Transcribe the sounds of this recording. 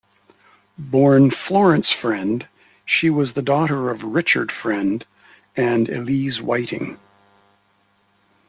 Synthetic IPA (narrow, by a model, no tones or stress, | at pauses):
bɔɹnflɔɹɨ̃nsfɹɛ̃nd̥ | ʃiwʌzðɨdɔɾə˞ʌvɹɪt͡ʃə̰˞d̥fɹɛ̃nd | ɨ̃nɨ̰lizwa̰ɪɾɪ̰̃ŋ